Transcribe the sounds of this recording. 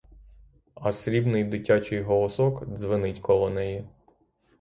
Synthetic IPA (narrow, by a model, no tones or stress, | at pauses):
ɐsɾʲibnɪjd̪ɪtʲat͡ʃɪjɦɔlˠɔsɔkd̪zʋɪnɪtʲkɔlˠɔnɛji